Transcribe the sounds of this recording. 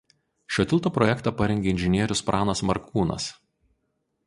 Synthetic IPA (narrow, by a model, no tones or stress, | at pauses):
ʃʲoːt̪ʲɪlˠt̪oːpɾɔjɛkt̪ɑːpɐɾʲɛŋʲɡʲeːɪnʲʒʲɪnʲiɛɾʲʊspɾʔɑːnɐsmɐ̰ɾkuːnɐ̰s